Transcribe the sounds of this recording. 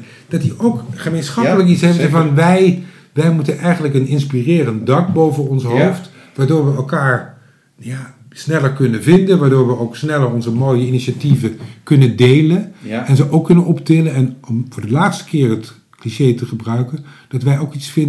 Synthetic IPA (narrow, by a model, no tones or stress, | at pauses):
d̥ɑtiowkχəmejnsχɑpələkitsɦɛfɛvɑnʋɛj | ʋɛjmutənʔɛjχənləkənɪnspirɪːrəntdɑkbowvəɔnsɦowft | ʋaːɹdʊːɹʋəɛlˠkaːɹ | jaː | snɛləɹkɵnəvɪndənʋaːɹdoːɹʋəowksnɛləɹɔnzəmoːjəiniʃativəkɵnəndejlənɛnzəʔowkːɵnənʔɔptɪlənɛnɔmvʊːɹdəlaːtstə̥kɪːrɦət | kliʃejtəχəbrœɥkən | d̥ɑtʋɛjowkitsfɪn